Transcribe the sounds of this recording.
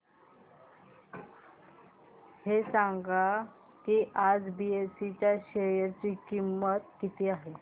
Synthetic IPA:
hesaŋɡa | kiʔad͡zbiesit͡ɕjaɕeɾjaɾt͡ɕiːkimːət̪̚kit̪ʰeaɦe

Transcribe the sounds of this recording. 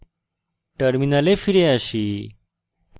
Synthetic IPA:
ʈəɾminalefiɾeaɕiː

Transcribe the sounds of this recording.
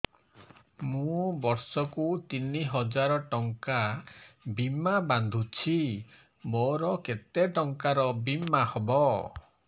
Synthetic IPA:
mũbɔɾsɔkut̪iniɦɔd͡ʒaɾɔʈɔŋka | bimaband̪ʱut͡ʃʰi | moɾɔket̪eʈɔŋkaɾɔbimahɔbɔ

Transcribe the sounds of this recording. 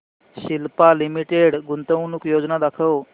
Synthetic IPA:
ɕilpalimiʈeɽɡunt̪əwnukjod͡znad̪akʰəw

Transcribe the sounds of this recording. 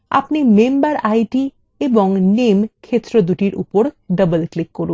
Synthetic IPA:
a̰pnimembəɾajʈi | ebɔŋnemkʰet̪ɾɔd̪uʈiɾʔṵpɔɾɖəbəlklikːɔɾu

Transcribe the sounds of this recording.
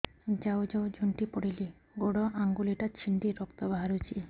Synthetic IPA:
d͡ʒawd͡ʒawd͡ʒuɳʈipɔɽili | ɡoɽɔʔaŋɡuliʈat͡ʃʰind̪iɾɔkt̪ɔbaɦaɾut͡ʃʰi

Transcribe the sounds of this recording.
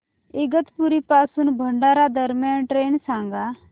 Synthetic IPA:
iɡət̪puɾipasuːnbʱəɳɖaɾad̪ʱəɾmjanʈɾeːɳsãŋɡa

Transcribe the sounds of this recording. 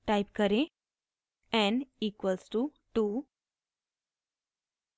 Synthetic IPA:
ʈajpkəɾẽ | ɛ̃ɳɖiːkʋəlsʈu | ʈu

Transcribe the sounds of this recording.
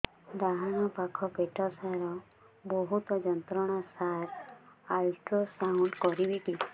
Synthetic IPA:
d̪aɦanɔpakʰɔpeʈʰɔsaɾɔ | bɔɦut̪ɔd͡ʒɔnt̪ɾɔɽ̃asaɾalʈosawʈkɔɾibiʈi

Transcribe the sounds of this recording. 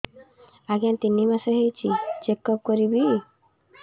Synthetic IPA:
aɡjant̪inːimaseɦejt͡ʃʰit͡ʃekːɔp̚kɔɾibi

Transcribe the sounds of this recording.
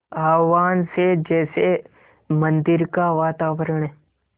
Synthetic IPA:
aːʋaːnsed͡ʒɛːse | mə̃nd̪ɪɾkaʋaːt̪aːʋəɾəɳ̃ɦɛː

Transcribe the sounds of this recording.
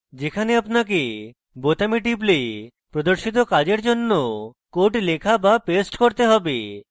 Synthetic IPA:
d͡ʒekʰaneapnak̬e | bot̪amiʈ̬ip̬le | pɾod̪oɾʃit̪̬okad͡ʑeɾd͡ʒonːokoʈlekʰabapesʈkoɾt̪eɦɔbe

